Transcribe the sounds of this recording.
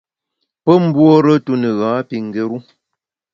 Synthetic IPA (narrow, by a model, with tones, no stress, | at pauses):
pə˦m̩˦bwo˦ɾə˦tu˦nə˨ɣãː˨˦pi˨ŋ̩˨ɡe˨ɾu˦